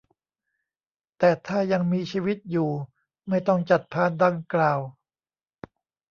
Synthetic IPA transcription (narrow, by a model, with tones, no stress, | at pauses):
t̪ɛː˨˩t̪ʰaː˥˩ja˧ŋmiː˧t͡ɕʰiː˧wi˦˥t̪̚juː˨˩ | ma˥˩jt̪ɔ˥˩ŋt͡ɕa˨˩t̪̚pʰaː˧nda˧ŋklaː˨˩w